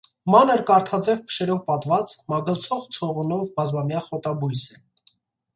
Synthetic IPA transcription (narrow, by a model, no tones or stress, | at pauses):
mɑnəɾkɑɾt̪ʰɑd͡zɛvpʰə̥ʃɛɾɔvpɑt̪vɑt͡smɑɡəlt͡sʰɔʁt͡sʰɔʁunɔvbɑzmɑmjɑχɔt̪ɑbujsɛ